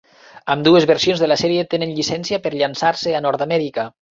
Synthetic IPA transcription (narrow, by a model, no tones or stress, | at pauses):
əmd̪uezβəɾsionzðelasɛɾiet̪enenʎisɛnsiapəɾʎansaɾseanɔɾt̪amɛɾikə